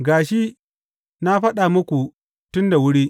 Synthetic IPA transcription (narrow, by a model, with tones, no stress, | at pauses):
ɡaː˨ʃi˦ | na˦ɸɐ˦ɗa˨mʊ˦kʷu˨ | tʊ˦nda˨wʊ˦ɽiː˦